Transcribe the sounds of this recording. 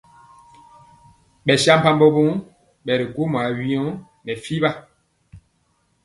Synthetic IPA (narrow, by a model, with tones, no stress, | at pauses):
ɓɛ˨ʃa˦m˦pa˦mbɔ˦bu˦ŋ | ɓɛ˨ɾi˨ku˦mwa˨wi˦ɔ˦ | nɛ˨fi˦ba˦